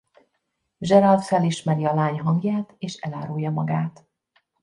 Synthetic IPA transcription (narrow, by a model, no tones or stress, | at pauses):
ʒɛɾɒlfɛliʃmɛɾiɒlaːɲɦɒŋɡjaːt̪eːʃɛ̰laːɾujːɒmɒɡaːt̪